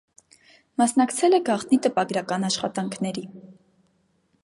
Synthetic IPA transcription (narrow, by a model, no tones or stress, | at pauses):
mɑsnɑkt͡sʰɛlɛɡɑχt̪nit̪əpɑɡɾɑkɑnɑʃχɑt̪ɑŋkʰnɛɾi